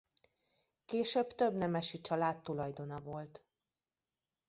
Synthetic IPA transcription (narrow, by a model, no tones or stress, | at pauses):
keːʃøːbt̪ø̞bnɛmɛʃit͡ʃɒlaːt̪ːulɒjd̪o̞nɒvo̞lt̪